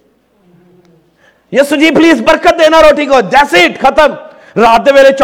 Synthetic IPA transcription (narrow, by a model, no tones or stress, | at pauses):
jɐsud͡ʒiːpliːzbəɾkət̪̚d̪eːnaɾoːʈikoːd͡ʒɛːseʈkʰɐt̪əm | ɾaːd̪jəʋeːlet͡ʃ